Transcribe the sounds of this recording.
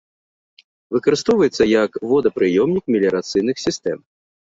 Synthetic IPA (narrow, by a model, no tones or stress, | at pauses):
vɨkɐɾɨst̪ɔwvɐjɛt̪sːɐjɐkvɔd̪ɐpɾɨjɔmnʲikmʲilʲɐɾat̪sɨjn̪ɨxsʲist̪ɛ̰m